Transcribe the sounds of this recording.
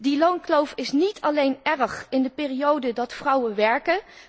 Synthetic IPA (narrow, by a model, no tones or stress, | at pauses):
dilownklowfɪsnitʰɑlejnɛrχɪndəpɪːrijowdədɑtfrʌwəʋɛɹkən